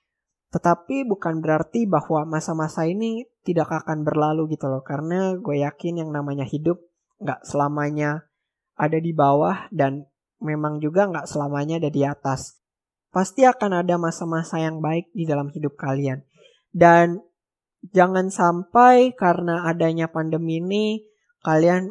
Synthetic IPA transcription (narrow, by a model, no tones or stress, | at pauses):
t̪ət̪apibukanbəɾart̪ibahwamasamasainit̪idakakanbərlaluɡit̪ulɔkaɾənaɡuajakɪnjaŋnamaɲahidʊp̚ | ŋɡaʔsəlamaɲa | adadibawahdan | memaŋd͡ʒuɡaŋɡaʔsəlamaɲaːdadiat̪as | past̪iakanadamasamasajaŋbaɪk̚didalamhidʊp̚kalian | dan | d͡ʒaŋansampajkaɾənaːdaɲapandəmini | kalian